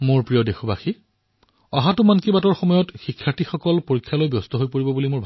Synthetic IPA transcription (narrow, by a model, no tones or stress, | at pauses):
moɹpɹijɔdexɔbaxi | ɔɦatʊmankibatɔɹxɔmɔjɔtxikʰːjatixɔkɔlpoɹikʰːjalojbjɔstɔɦojpoɹibɔbulimoɹbʱ